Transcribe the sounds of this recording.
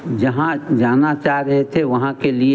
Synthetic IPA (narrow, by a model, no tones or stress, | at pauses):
d͡ʒɐɦãd͡ʒaːnat͡ʃaːɦɾɐɦet̪ʰeʋɐɦãkelie